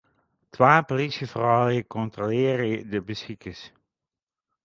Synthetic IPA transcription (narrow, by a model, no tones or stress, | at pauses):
tʋaːpolisjəfrɑwəkɔntrolɪːɾədəbəsxikəs